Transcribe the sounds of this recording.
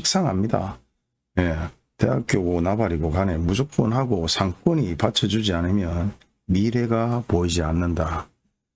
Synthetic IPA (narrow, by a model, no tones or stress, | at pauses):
ik̚s͈aŋɦamɲida̰ | je̞ | te̞ɦak̚k͈joɡonabaɾiɡokane̞mud͡ʑok̚p͈onɦaɡosʰaŋk͈ʌɲipat͡ɕʰʌd͡ʑud͡ʑianɯmjʌn | miɾe̞ɡapoid͡ʑianːɯnda